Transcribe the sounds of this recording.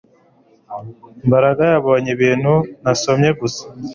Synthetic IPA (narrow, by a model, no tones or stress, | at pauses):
mbaɾaɡajaβo̞ːɲeβiːn̤hunasomɲe̞ɡusḁ